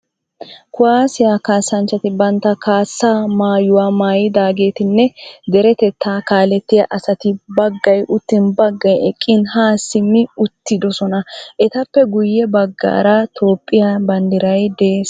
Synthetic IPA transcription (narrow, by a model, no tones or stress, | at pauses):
kʊwaːsɪjakaːsːɐnt͡ʃːɐt̪ɪbɐnt̪ːɐkaːsːaːmaːjʊwaːmaːjɪd̪aːɡe̞ːt̪ɪnːɛd̪ɛɾɛt̪ɛt̪ːaːkaːlɛt̪ːɪjɐʔɐsɐt̪ɪbɐɡːɐjʔʊt̪ːɪnbɐɡːɐjɛkʼːɪnhaːsɪmːɪʊt̪ːɪd̪ɔsɔnɐʔɛt̪ɐpːɛɡʊjːɛbɐɡːa̰ːɾɐt̪ʰo̞ːpʼːɪjɐbɐnd̪ɪɾɐjd̪eːs